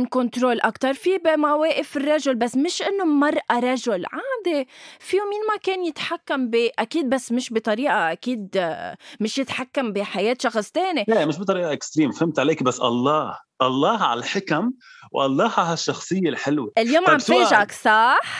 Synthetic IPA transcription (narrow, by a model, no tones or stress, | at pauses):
nkɔnt̪ɾoːlʔakt̪ɑɾˤfibɪmaweːʔɪfɪrˤːɑʒʊlbasːmɪʃʔɪnːomɑɾˤʔaɾˤɑʒʊlʕaːd̪efiːminmakeːnjɪt̪ħakːambiʔakiːd̪̚basːmɪʃbɪt̪ˤɑɾiːʔaʔakiːd̪mɪʃjɪt̪ħakːambiħajeːt̪ʃɑxsˤt̪eːniemɪʃbɪt̪ˤɑɾiːʔaʔɪkst̪ɾiːmfhɪmt̪ʕaleːkbasːʔɑ̰lˤːɑːhʔɑlˤːɑːhʕa̰lalħɪkamwʔɑlˤːɑːhaɦaʃːɑxsˤɨjːelħɪlweʔɪljoːmʕamfeːʔaksˤɑħ